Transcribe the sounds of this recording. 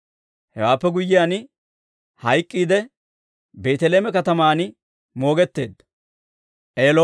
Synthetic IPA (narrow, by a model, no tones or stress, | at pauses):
hɛ̰waːpːɛɡʊjːɪjaːn | hɐjkʼːiːd̪ɛ | be̞ːt̪ɛleːmɛkɐt̪ɐmaːn | mo̞ːɡɛt̪ːe̞ːd̪ːɐ | ʔeːlo